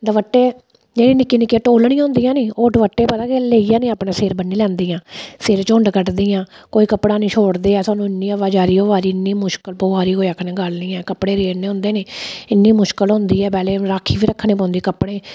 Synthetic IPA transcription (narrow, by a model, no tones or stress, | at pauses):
d̪əʋəʈːeː | d͡ʒeːɽiːnɪkːiːnɪkːeːʈoːlɳĩːãɦʊ̃nd̪iːjãːniːoːɖəʋəʈːeːpət̪aːkeleːijãːnĩːaːpɳãːseːɾbənːiːlɛ̃ːnd̪iːãːseːɾt͡ʃõːɳɖkəʈd̪iːãːkoːiːkəpːɽãːnĩːt͡ʃʰoːɽd̪eːɛːsaːnũːɪnːiːəʋaːd͡ʒaːɾiːoːʋaːɾiːɪnːiːmʊʃkəlpoːʋaːɾiːoːiəkʰnẽːɡəlnĩːɛːkəpːɽeːɾeːɽneːɦʊ̃nd̪eːneːɪnːiːmʊʃkəlɦʊ̃nd̪iːɛːpɛːleːɾaːkʰːiːʋiːɾəkʰːnẽːp̬ãːnd̪iːkəpːɽeː